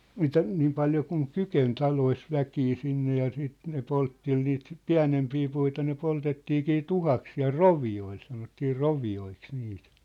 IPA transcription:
mitæ niːm pɑljo kuŋ kyken tɑlois ʋækiː sinːe jɑ siːt ne poltːel niːt piæ̝nempiː puitɑ ne poltetːiːkiː tuhɑks siæ̝l roʋioil sɑnotːiː roʋioiks niːt

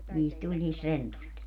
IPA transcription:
niːst tulʲ niːst rentust

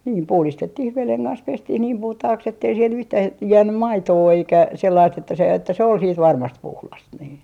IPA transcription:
niː puhlistetːih ʋeleŋ kɑns pestih niːm puhtɑhɑks etːei siel yhtæː j jæːnːym mɑitoː eikæ selːɑist etːæ se etːæ se ol siːt ʋɑrmɑst puhlɑs niː

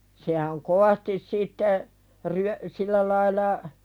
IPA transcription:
sehæŋ koʋɑstis sitːe ryø silːæ lɑilˑɑ

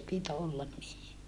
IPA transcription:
pit olːɑn niː

